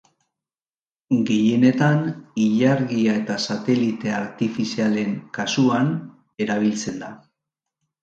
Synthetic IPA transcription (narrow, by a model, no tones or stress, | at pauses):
ɡe̞je̞ne̞t̪aniʎaɾɣiae̞t̪asat̪e̞lit̪e̞aɾt̪ifisiale̞ŋkasuan | e̞ɾaβ̞ilt͡se̞nd̪a